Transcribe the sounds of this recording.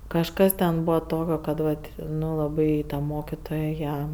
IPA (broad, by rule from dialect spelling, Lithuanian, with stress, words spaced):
kɐʃˈkɐs tʲɛn ˈbuːʋɐ ˈtoːkʲoː kɐt ˈʋɐt ˈnʊ lˠɐˈbɐɪ tɐ ˈmoːkʲɪtoːjɛ ˈjæː